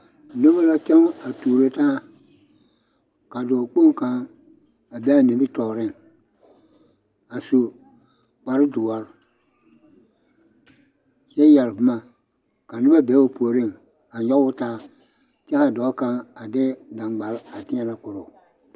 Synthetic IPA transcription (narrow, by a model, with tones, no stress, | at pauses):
no˦bo˦la˦t͡ʃɛ˦ŋa˨tuː˨ɾe˦ta˦˨ | ka˨dɔː˨k͡po˦ŋka˨ŋ | a˨bɛ˦a˨ne˨bi˦tɔː˨ɾɪ˦˨ŋ | a˨so˨ | k͡pa˨ɾɪ˦dʊ˨wa˦ɾ | t͡ʃɛ˦jɛ˨lbʊ˨˦ma˨ | ka˨nɪ˦ba˦bɛ˨˦wo˦po˨ɾi˦ŋ | a˨ɲɔ˦wʊ˦taː˦ | t͡ʃɛ˦ka˨dɔː˨˦ka˦ŋa˨dɪ˦da˨ŋɡ͡ba˨la˨tɪ̃˦ɛ˦la˦kʊ˨ɾʊ˨